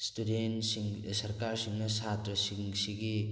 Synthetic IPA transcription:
studen | sɐɾkaɾsiŋnɐsatɾɐsiŋsiɡi

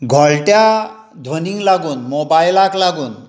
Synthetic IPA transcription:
ɡʱɔɭlʈja | d̪ʱʋəniŋɡlaɡuːnmobajlaklaɡuːn

